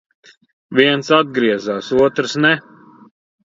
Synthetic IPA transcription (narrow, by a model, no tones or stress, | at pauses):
viɛnsad̪̚ɡɾiɛzaːsuɔt̪ɾɨsnɛ